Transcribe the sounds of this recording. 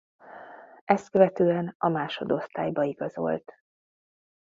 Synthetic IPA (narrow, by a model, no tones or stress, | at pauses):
ʔɛst̪̚køvɛt̪øːɛnɒmaːʃo̞d̪o̞st̪a̰ːjbɒiɡɒzo̞̰lt̪